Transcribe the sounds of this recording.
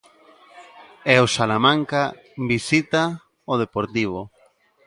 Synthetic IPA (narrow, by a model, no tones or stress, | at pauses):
ɛosalamãŋka | bisit̪a | oð̞epoɾt̪iβ̞o